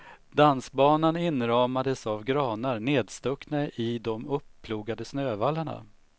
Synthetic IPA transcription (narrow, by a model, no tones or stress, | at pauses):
d̪ansbɑːnanɪnɾɑːmad̪əsavɡɾɑːnaɾneːd̪st̪ɵknaʔɪd̪ɔmɵpʰːluːɡad̪əsnøːvalːaɳa̰